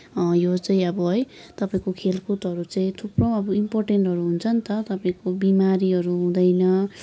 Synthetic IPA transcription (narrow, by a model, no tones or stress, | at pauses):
jot͡saĩʌbʌɦʌj | t̪ʌpaĩkokʰelkʰut̪ɦʌɾut͡saĩt̪ʰuprʌ̃w̃ʌbʌimporʈeɳʈɦʌɾuɦunt͡sʰʌnt̪ʌt̪ʌpaĩkobimaɾiɦʌɾuɦũd̪ʌjnʌ